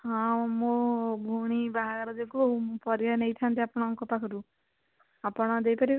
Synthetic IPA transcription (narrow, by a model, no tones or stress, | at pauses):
ɦɔ̃mobʱuɽ̃ibaɦaɡɔɾɔd͡ʒekupɔɾjɔnejt̪ʰant̪iapɔɽ̃ɔŋkɔpakʰɔɾu | apɔɽ̃ɔd̪ejpɔɾi